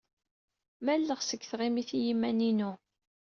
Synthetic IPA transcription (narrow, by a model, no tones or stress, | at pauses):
mælːəʁsəkːθʁimiθijimːæninu